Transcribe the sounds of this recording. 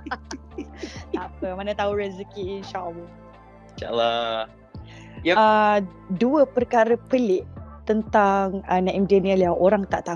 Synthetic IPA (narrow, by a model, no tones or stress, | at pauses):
napəmanət̪auɾɛzəkiːnʃaʔəlːɔh | t͡ʃa̰la | jaə | duəpərkaɾəpəlɪʔt̪ənt̪aŋənãʔimdaniəliaʔoɾaŋt̪aʔt̪a